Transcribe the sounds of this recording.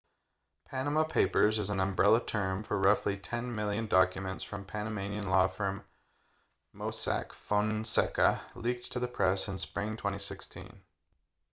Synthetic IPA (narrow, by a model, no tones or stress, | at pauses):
pʰænəməpʰeɪpə˞zɨz̃n̩ə̃mbɹɛlˠətʰɜ̃˞ɱfə˞ɹʌflitʰɛ̃nmɪlˠjɨ̃ndɑkjɨmɨ̃ntsfɹʌ̃mpʰæ̃ñɨmẽɪ̃niɨ̃nlɔfʌ̃m | oʊsæ̰kfɔ̃nsɛ̰kəlik̚tʰɨðɨpʰɹ̥ɛsɨ̃nspɹɪ̃ŋtʰw̥ɛ̃ɾ̃isɪkstʰḭ̃n